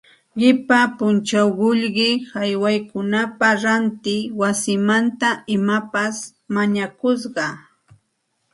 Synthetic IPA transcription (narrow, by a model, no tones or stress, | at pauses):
ɢɪpapʊnt͡ʃawɢʊʎɢɪhajwajkʊnapaɾant̪ɪwasɪmant̪aɪmapas | maɲakʊs̬ɢɑ